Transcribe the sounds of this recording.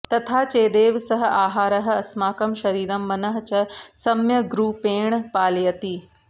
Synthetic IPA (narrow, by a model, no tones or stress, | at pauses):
t̪ɐt̪ʰat͡ɕeːd̪eːʋsɐɦ̆aːɦaːɾɐɦ̆ɐsmaːkɐmʃɐɾiːɾɐmːɐnɐɦ̆t͡ɕɐsɐmjɐɡɾuːpeːɽ̃paːlijɐt̪iː